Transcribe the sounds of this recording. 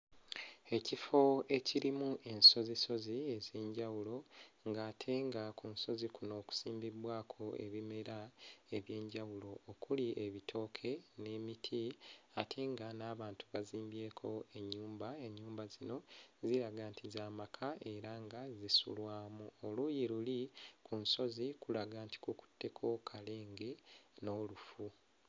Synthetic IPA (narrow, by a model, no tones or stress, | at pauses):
e̞cifo̞e̞ciɾimuʔe̞nso̞ziso̞zie̞ze̞ːɲɟawulo̞ŋɡaːtʰe̞ŋɡakunso̞zikuno̞ːku̥siːmbiβwaːkʰo̞e̞̰βime̞ɾae̞βje̞ːɲɟawulo̞ːkuliʔe̞βitʰo̞ːkʰe̞ne̞ːmitʰiatʰeŋɡanaːβaːntuβaziːmbje̞ːkʰo̞e̞ɲːuːmbae̞ɲːuːmbazino̞ziɾaɡaːntizaːmakʰaʔe̞ɾaŋɡazisṵlwaːmuolujilulikunso̞zikulaɡaːnti̥kuku̥tːe̞kʰo̞kʰale̞ːŋɡeno̞ːlufu